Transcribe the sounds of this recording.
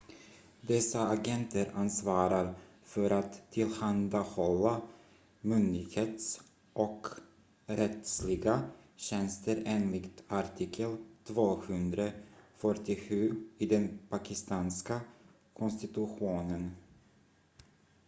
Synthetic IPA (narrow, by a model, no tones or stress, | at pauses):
d̪ɛsaːɡɛnt̪ʰəɾansvɑːɾaɾ | fœɾat̪ʰːɪlhand̪ahɔlːa | mʏnd̪ɪɡheːt̪s | ʔɔk | ɾɛt̪slɪɡaɕɛnst̪əɾeːnlɪkt̪aɾʈʰɪkʰːəlt̪ʰvoːhɵnd̪ɾafœʈːɪɧʉ̟ːɪd̪ɛnpʰakɪst̪ɑːnska | kʰɔnst̪ɪt̪ɵɧuːnən